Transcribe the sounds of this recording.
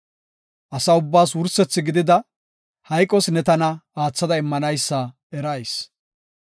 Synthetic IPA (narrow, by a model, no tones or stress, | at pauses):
ʔɐsɐʊbːaːswʊɾsɛt͡sːɪɡɪd̪ɪd̪ɐ | hɐjkʼːɔsnɛt̪ɐnɐaːt͡sːɐd̪ɐɪmːɐnɐjsːɐ | ɛɾɐjs